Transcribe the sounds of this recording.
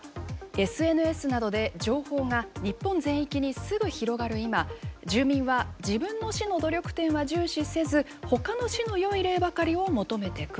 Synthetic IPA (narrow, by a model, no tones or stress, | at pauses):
e̞sɨe̞nɯ̟e̞sɨnad̪o̞d̪e̞d͡ʑo̞ːho̞ːŋaɲ̟ipːõ̞nzẽ̞ɰ̃ikʲiɲ̟isɨɡɯ̟çiɾo̞ɡaɾɯ̟imad͡ʑɨːmʲĩɰ̃βad͡ʑibɯ̟̃nːo̞ɕino̞d̪o̞ɾʲo̞kɯ̟̥t̪ẽ̞ɰ̃βaʑɨːɕise̞zɨ | ho̞kano̞ɕino̞jo̞iɾe̞ːbakaɾʲio̞mo̞t̪o̞me̞t̪e̞kɯ